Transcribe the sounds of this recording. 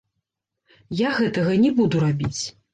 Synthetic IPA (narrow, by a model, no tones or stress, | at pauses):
jaɣɛt̪ɐɣɐnʲɛbud̪uɾabʲit͡sʲ